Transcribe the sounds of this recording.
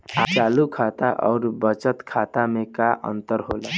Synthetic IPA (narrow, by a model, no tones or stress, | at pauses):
at͡ʃalukʰat̪aʔɔ̰ːɾbət͡ʃət̪kʰat̪amekaʔə̰nt̪əɾɦolə